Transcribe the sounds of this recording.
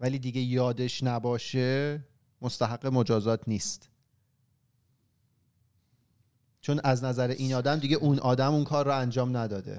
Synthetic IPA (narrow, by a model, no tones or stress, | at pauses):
væliːd̪iːɟe̞jɒːd̪e̞ʃnæbɒːʃe̞ | most̪æɦæɢːe̞mo̞d͡ʒɒːzɒːt̪ʰniːst̪ | t͡ʃʰo̞nʔæznæzæɾeʔiːnɒːd̪æmd̪iɟe̞ʔunɒːd̪æmunkʰɒːɾːɔænd͡ʒɒːmnæd̪ɒːd̪e̞̰